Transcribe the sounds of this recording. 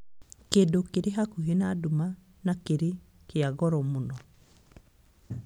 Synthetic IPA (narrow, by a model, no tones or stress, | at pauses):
keːndokeɾeɦakuɦenaːduma | nakeɾe | keaɣɔɾɔmonɔ